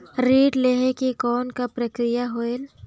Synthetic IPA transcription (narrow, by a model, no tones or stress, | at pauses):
ɾiːʈleɦekekɔːnkapɾəkɾɪjaɦoel